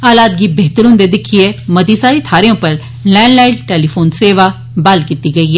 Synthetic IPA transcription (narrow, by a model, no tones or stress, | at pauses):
aːlaːt̪̚ɡiːbeːt̪əɾɦʊ̃nd̪eːd̪ɪkʰːieːməd̪iːsaːɾiːt̪ʰaːɾeõːpəɾ | lɛːɳɖlaːɪʈʈeːlipʰoːnseːʋaː | balkiːt̪iːɡəiːɛː